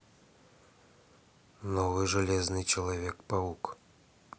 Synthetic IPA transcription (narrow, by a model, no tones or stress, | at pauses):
nɔvɨʐalʲɛznɨt͡ʃɐlˠavʲɛkpauk